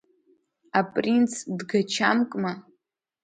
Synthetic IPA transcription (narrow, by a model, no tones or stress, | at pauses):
apʼrint͡sʰdɡat͡ʃʰamkʼma